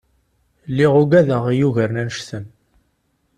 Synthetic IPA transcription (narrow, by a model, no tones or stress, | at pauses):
lːiʁuɡæðəʁijuʝəɾnænʃθən